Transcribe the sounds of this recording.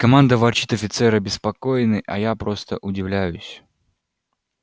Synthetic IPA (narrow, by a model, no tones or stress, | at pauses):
kɐmand̪əvɐrt͡ɕit̪ɐfʲɪt̪sɛɾəbʲɪspɐkojɪnɨʔɐ̰japɾo̞st̪ə̰ʔʊdʲɪvlʲæjʊsʲ